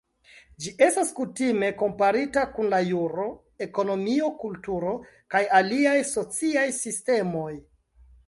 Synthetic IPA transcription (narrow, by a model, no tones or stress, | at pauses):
d͡ʒiʔe̞staskutime̞ko̞mpaɾitakunlajuɾo̞ | e̞ko̞no̞mio̞kultuɾo̞ | kajaliajso̞t͡siajsiste̞mo̞j